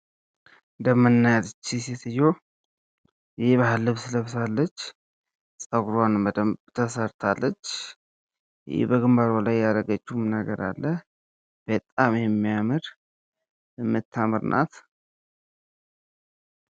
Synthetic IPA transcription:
ɨnd̪əmənːajad̪t͡ʃːiset̪ɨjːo | jβaɦɨlːɨβsɨləβsalːət͡ʃː | sʼəɡɾanəd̪əmt̪ʰəsəɾt̪ʰalːət͡ʃː | j̰ɪ̰bəɡɨmbaɾolajaɾəɡət͡ʃːumnəɡəɾa̰lːəh | b̥ət̪ʼːamjɛmːijamɨɾ | ɨmːɨt̪ʰːamɨɾnʔa̰t̪

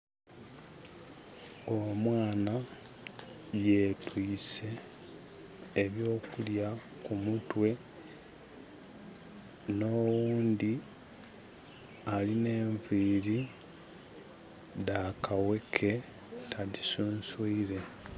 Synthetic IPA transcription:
o̞mwaːna | je̞twiːse̞ | βjo̞ːkulja | kumutwe̞ | no̞wuːnd̪i | aline̞ːɱviːɾi | ðakawe̞kʰe̞ | tʰadisuːnsuiɾe̞

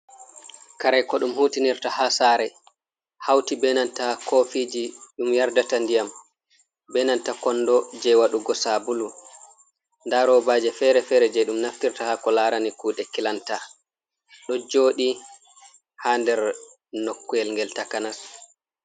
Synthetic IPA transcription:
kaɾɛjkɔɗumhutiniɾtahasaːɾɛ | hawtibɛnantakʰofiːd͡ʒiɗumjaɾdatandijam | bɛnantakɔnːdɔd͡ʒɛwaɗuɡɔsabulu | ndaɾɔbaːd͡ʒɛfɛɾɛfɛːɾɛd͡ʒɛɗumnaftiɾtahakɔlaːɾanikuːɗɛkilanta | ɗɔd͡ʒoːɗi | haːndɛɾ | nokːuɛlŋɡɛltakanas

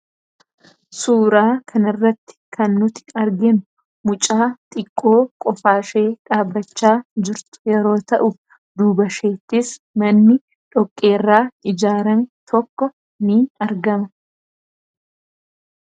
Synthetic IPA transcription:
suːɾaːkʰɐnɪrːɐt̪ːɪ̥kɐnːʊt̪ɪ̥ɐɾɡɛnʊ | mʊt͡ʃʼaːt̪ʼɪkʼːo̞ːkʼɔfaːʃe̞ːᶑaːbːɐt͡ʃːaːd͡ʒɪɾt̪ʊ̥jɛɾo̞ːt̪ɐʔʊ | d̪uːbɐʃeːt̪ːɪs | mɐnːɪ | ᶑɔkʼːe̞ːrːaːɪd͡ʒaːɾɐnt̪ʰɔkːɔ | niːɐɾɡɐmɐ

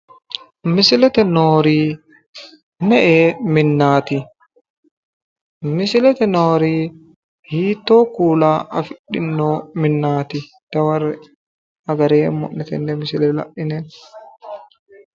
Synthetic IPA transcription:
mɪsɪlɛt̪ɛnoːɾiː | nɛʔeːmɪnːaːt̪ɪ | mɪsɪlɛt̪ɛnoːɾiː | hiːt̪ːo̞ːkuːlaːʔɐfɪɗːɪnːoːmɪnːaːt̪ɪ | d̪̥ɐwɐrːɛ | ɐɡɐɾeːmːɔ̰ʔːɛt̪ɛnːɛmɪsɪlɛlɐ̰ʔɪne

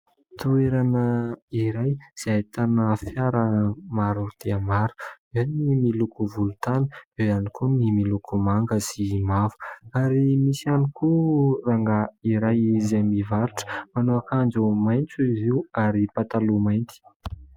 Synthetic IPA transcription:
t̪ueɾanəiɾajz̥eajt̪anəfjaɾəmaɾud̪̥eamaɾu̥ | enimilukuvulut̪anəezanikʰunimilukʰumaŋɡəsimavu̥aɾimisanikuraŋɡaiɾajzamivaɾuʈ͡ʂə̥manoakand͡zumajnt͡suiziuaɾipat̪alumajnt̪i̥

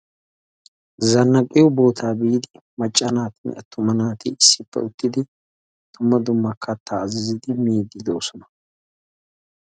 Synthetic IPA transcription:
zɐnːɐkʼːɪjʊbo̞ːt̪ʰaːbiːd̪ɪ | mɐt͡ʃʼːɐnaːt̪ɪnɛ̰t̪ːʊmɐnaːt̪ɪɪsːɪpːɛ̰ʊt̪ːɪd̪ɪ | t̪ʊmːɐd̪ʊmːɐkʰːɐt̪ːaːzɪzɪd̪ɪmiːd̪ːɪd̪oːsɔnɐ̥

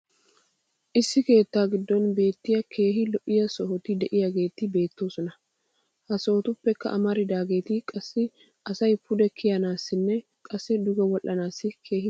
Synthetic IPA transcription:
ʔɪsːɪke̞ːt̪ːaːɡɪd̪ːɔnbe̞ːt̪ːɪjɐkʰe̞ːɦɪlɔʔɪjɐsɔɦɔt̪ɪd̪ɛʔɪjaɡe̞ːt̪ɪbe̞ːt̪ːo̞ːsɔnɐ | hɐsɔhɔt̪ʊpːɛkːɐ̰ʔɐmɐɾɪd̪aːɡe̞ːt̪ɪkʼɐsːɪ | ɐsɐjpʰʊd̪ɛkʰɪjɐnaːsːɪnːɛ | kʼɐsːɪd̪ʊɡɛwɔlʔːɐnaːsːɪkʰe̞ːhɪ

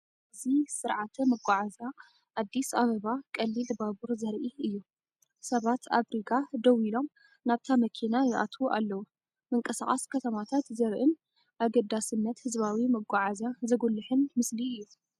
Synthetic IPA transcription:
ʔɨzisɨɾʕat̪ʰɐmɐɡʷaʕaza | ʔːd̪ːisaβɐβakʼɐlːilbaβuɾzɐɾʔiɨjːu | sɐβat̪ʰaβɾiɡad̪ɐwilo̞m | naβt̪ʰamɐkʰinajɪʔa̰t̪ʰuʔalːɐwu | mɨŋkʼɐsaχʼaskʰɐt̪ʰɐmat̪ʰat̪zɐɾʔɨn | ʔaɡɐd̪asɨnːɐt̪hɨzβawimɐɡʷaʕazazɐɡulːɨħɨnmɨsliɨjːu

